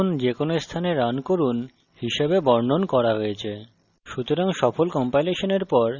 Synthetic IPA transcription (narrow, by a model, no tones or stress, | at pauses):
ond͡ʑekonoest̪ʰaneɾankoɾun | hiʃebebɔɾnonkɔɾaɦojet͡ɕʰe | ʃut̪oɾaŋʃɔfolkɔmpajleʃoneɾpɔɾ